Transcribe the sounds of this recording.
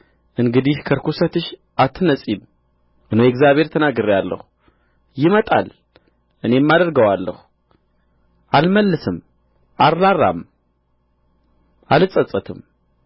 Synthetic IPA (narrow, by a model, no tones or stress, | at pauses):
ʔɨŋɡɨd̪ihkʰəɾkʰusət̪ɨʃ | ʔat̪ʰːɨnəsʼim | ʔɨnowjɛɡzjaβhe̞ɾt̪ʰənaɡɨɾjalːə̰hu̥ | jɪmət̪ʼa̰l | ʔɨne̞mːad̪əɾɡəwalːə̰hu | ʔalməlːɨsɨm | ʔarːarːa̰m | ʔalɨsʼət͡sʼːət̪ʰɨm